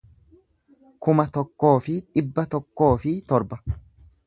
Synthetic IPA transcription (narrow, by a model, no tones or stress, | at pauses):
kʊmɐt̪ɔkːo̞ːfɪᶑɪbːɐt̪ɔkːo̞ːfɪt̪ɔɾbɐ